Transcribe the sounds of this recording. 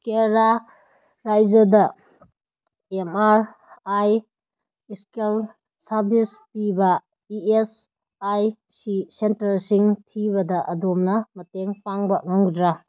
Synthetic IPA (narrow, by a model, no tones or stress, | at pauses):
keɾa | ɾajd͡ʒɐdɐ | emaɾ | aj | iskel | saɾbispibɐ | ies | aj | sisentɐlsiŋtʰibɐdɐʔɐdomnɐmɐteŋpaŋbɐŋaŋdɾa